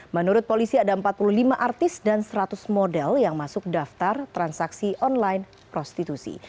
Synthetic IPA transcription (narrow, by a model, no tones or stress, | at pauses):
mənuɾʊt̪̚polisiadaəmpat̪̚puluhlimaʔart̪ɪsdansɾat̪ʊsmodɛljaŋmasʊk̚daft̪art̪ɾansaksiʔɔnlajn | pɾɔst̪it̪usḭ